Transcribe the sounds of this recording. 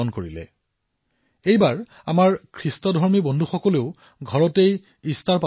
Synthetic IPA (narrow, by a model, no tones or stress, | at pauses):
ɔnkoɹilɛ̰ | ejbaɹ | a̰maɹkʰɹistɔdʱɔɹmibɔndʱuxɔkɔleʊ | ɡʱɔɹɔtej | istaɹpa